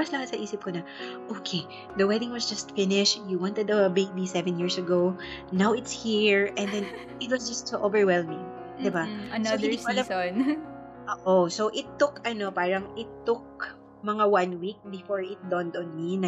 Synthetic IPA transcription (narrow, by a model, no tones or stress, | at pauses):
mɐslɐhat̪̚sɐʔiːsɪp̚konɐʔoːkʰe | d̪ɐwɛd̪ɪ̃ŋwɐsd͡ʒɐst̪fɪnɪʃjuwɑ̃nt̪ɛd̪ɐbek̚d̪isɛvɛ̃njiɹsɐɡownawɪt̪shiɹʔɛ̃nd̪ɛ̃n | ʔɪt̪̚wɐsd͡ʒɐst̪soʔovɛɹwɛlmɪ̃ŋ | d̪ɪbaɐsoɪɪnilɛn | ʔoːʔosowʔɪt̪ːʊkɐno̞paːɹɐŋɪt̪ːʊk̚ | mɐŋawɐ̃nwik̚bɪfoɹɪt̪̚d̪ɔ̃nd̪ɔ̃nminɐ